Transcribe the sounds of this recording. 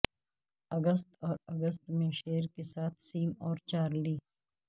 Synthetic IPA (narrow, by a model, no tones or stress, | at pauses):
ɐɡəst̪ɔːɾɐɡəst̪mẽʃeːɾkesaːt̪ʰsiːmɔːɾt͡ʃaːɾliː